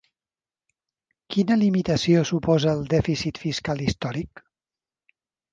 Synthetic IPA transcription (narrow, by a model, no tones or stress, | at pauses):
kinəlimit̪əsiosupɔzəːlˠd̪ɛfisit̪fiskalist̪ɔɾik